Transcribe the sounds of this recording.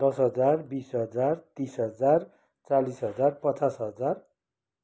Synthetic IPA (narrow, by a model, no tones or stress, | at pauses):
d̪̥ʌsɦʌd͡zarbisɦʌd͡zart̪isɦʌd͡zar | t͡salisɦʌd͡zarpʌt͡sasɦʌd͡zar